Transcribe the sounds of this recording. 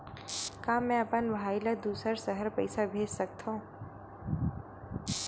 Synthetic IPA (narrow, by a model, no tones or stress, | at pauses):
kaːmɛ̃əpənbʱaːilad̪uːsəɾsəɦəɾpɐɪsabʱeːd͡ʒsək̚t̪ʰõ